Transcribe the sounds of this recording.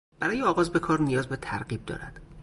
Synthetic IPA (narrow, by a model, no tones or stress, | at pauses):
b̥æɾɒːjeɒːɣɒːzbe̞kʰɒːɾnijɒːzbet̪ʰæɾɢiːb̚d̪ɒ̰ːɾæd̪̥